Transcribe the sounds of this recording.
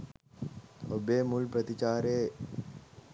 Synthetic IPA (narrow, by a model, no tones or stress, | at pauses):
obeːmulpɾɐt̪it͡ʃaːɾeː